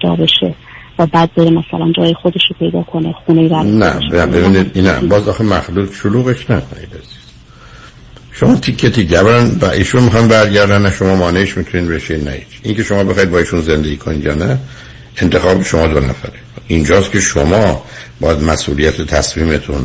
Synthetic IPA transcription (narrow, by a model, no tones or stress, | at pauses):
d̪ɒ̰ːbeʃe | væbæːd̪̚beɾemæsælænd͡ʒɒːjexod̪eʃopʰe̞jd̪ɒːkʰonexunejidænæ̰ʃbæbebiːnid̪inæ̰bɒːzɒːxemæxlut̪ʃoluːɣeʃnækʰonḭd̪æzi̥z̥ | ʃomɒːt̪ʰikʰːet̪ʰiɟæbɾænbæ̰ʔiːʃunmixɒnbæɾɟæɾd̪ænæʃo̞mɒːmɒːneiʃmit̪ʰuniːd̪beʃenæ̰ḭt̪ʔiːŋce̞ʃomɒːbe̞xɒːid̪bɒːiːʃunze̞nd̪eɟiːkʰonid̪jɒ̰ːnæ | e̞nt̪ʰe̞xɒːbeʃomɒːd̪o̞næ̰fæɾeind͡ʒɒːst̪kʲʰe̞ʃomɒːbɒːjæd̪mæsʔuːlijæt̪ʰet̪ʰæsmiːmet̪ʰun